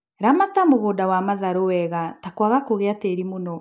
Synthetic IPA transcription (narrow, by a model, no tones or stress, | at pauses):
ɾamatamoɣoːdawamaðaɾowɛɣatakwaɣakoɣeateɾimonɔ